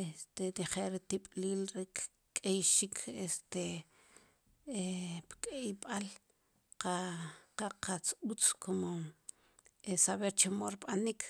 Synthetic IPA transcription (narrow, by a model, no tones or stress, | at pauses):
est̪et̪iχelɾit̪iɓ̥ʼliːlɾik | kʼejʃikʰest̪e | epkʼejɓal | qaqaqat͡sut͡skʰomo | esaβeɾt͡ʃemoɾiɓanik